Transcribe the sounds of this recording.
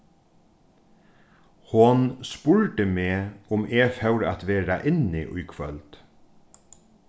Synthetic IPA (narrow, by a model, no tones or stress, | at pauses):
hʊnspʊɹʈ̪əmeːʊmʔeːfœwɾa̰t̪ʋeːɾaʔɪnɪʔʊ̰jkʰʋœ̰lt̪